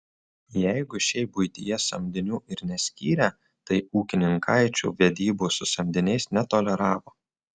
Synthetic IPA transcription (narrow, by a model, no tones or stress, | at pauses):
jɛɪɡʊʃʲɛɪbʊɪt̪ʲɪjɛsɐmʲd̪ʲɪnʲuːɪɾnʲɛsʲkʲiːɾʲæː | t̪ɐɪuːkʲɪnʲɪŋkʰɐɪt͡ʃʲṵːʋʲɛd̪ʲiːbuːsʊsɐmʲd̪ʲɪnʲɛɪsnʲɛt̪oːlʲɛɾɑːʋoː